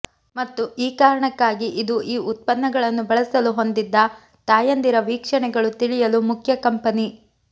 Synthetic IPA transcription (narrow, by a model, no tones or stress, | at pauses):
mɐt̪ːuʔiːkaːɾɐɳɐkːaːɡiʔid̪uʔiːʔut̪̚pɐnːɐɡɐɭɐnːubɐɭɐsɐluɦo̞nd̪id̪ːɐ | t̪aːjɐnd̪iɾɐʋiːkʂɐɳɛɡɐɭut̪iɭijɐlumukʰjɐkɐmpɐni